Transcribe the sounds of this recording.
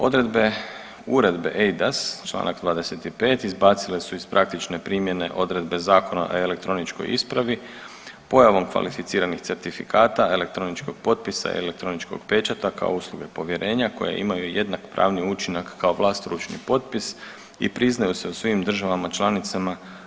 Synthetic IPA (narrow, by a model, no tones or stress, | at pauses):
o̞̰d̪ɾe̞d̪be̞ | uɾe̞d̪be̞̰ʔejd̪ast͡ʃlˠa̰ːnʔakd̪ʋaːd̪ese̞t̪ipe̞ːt̪izbaːt̪sile̞suizpɾʔak̚t̪it͡ʃne̞pɾiːmje̞ne̞ʔo̞d̪ɾe̞d̪be̞zaːko̞na̰ʔoe̞lek̚t̪ɾo̞nit͡ʃko̰jḭspɾaʋi | po̞jaʋo̞mkʋa̰lifit̪siːɾanixse̞ɾt̪ifikʰaːt̪ae̞le̞k̚t̪ɾo̞nit͡ʃko̞ɡ̥̚po̞t̪̚pisa̰ḭḛlek̚t̪ɾo̞nit͡ʃko̞̰ɡpe̞t͡ʃat̪aka̰ouslˠuɡe̞po̞ʋje̞ɾʔe̞ːɲako̞̰jḛʔḭmajuje̞d̪nakpɾa̰ːʋniut͡ʃinakːao̞ʋlˠaːst̪ɾuːt͡ʃnḭpo̞t̪̚pis | ḭpɾiznajuse̞usʋimd̪r̩ʒaʋamat͡ʃlˠanit̪sama